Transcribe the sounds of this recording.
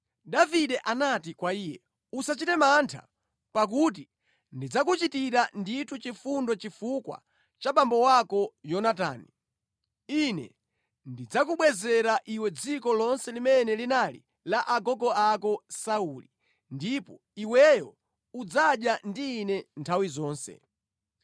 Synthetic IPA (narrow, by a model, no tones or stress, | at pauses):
daviɗɛʔanatikwaiːjɛ | usat͡ʃitɛmantʰa̰ | pak̬ut̬i | ndid͡zakut͡ʃitiɾanditʰut͡ʃifundɔt͡ʃifukwa̰ | t͡ʃaɓambɔwakɔjɔnata̰ːni | inɛ̰ | ndid͡zakuɓwɛzɛɾaʔiwɛd͡zikɔlɔnsɛlimɛnɛlinalḭ | laʔaɡɔɡɔakɔsaulḭ | ndipɔ | iwɛjɔ | ud͡zaɗjandiːnɛntʰawizɔːnsɛ̰